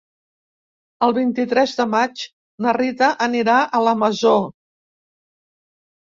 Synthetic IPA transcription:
əlˠβint̪it̪ɾɛzðəmat͡ʃ | nərit̪əʔəniɾaʔələməzo

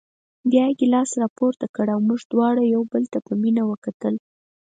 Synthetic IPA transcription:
bjɑjaɡelɑsɾɑpoɾt̪akəɽawmuʐd̪wɑɽajawbəlt̪apəminawəkat̪əl

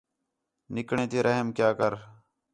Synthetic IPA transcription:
nɪkɳẽːt̪eːɾʔəɦəmkjaːkəɾ

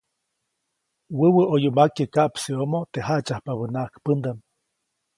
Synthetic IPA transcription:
wəwəʔojumakəkaʔpsiomot̪eɦat͡ʃahpaβɨnaʔkpɨnd̪am

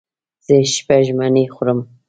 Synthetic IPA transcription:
z̥eʃpaʒmanixʷʊɾəm

